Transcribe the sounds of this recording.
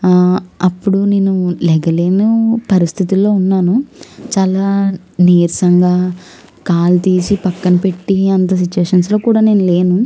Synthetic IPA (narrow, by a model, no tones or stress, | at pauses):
ɐpːuɽune̞ːnulɛɡɐle̞ːnupɐɾist̪ʰit̪ilːo̞ːunːaːnut͡ʃaːlaː | neːɾsɐŋɡaː | kaːlt̪iːsipɐkːɐnɐpe̞ʈːiɐnt̪̬ɐs̬it͡ʃːuʋeːʂɐnslo̞ːkuːɽaːne̞ːnule̞ːnu